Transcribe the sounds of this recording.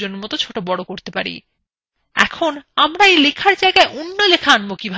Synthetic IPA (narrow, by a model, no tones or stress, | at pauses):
oneɾmɔt̪ot͡ɕʰoʈobɔɽokoɾt̪epa̰ɾḭ | ɛ̰kʰonamɾaejlekʰaɾd͡ʑaeɡaeʔonːolekʰaanmokibʱ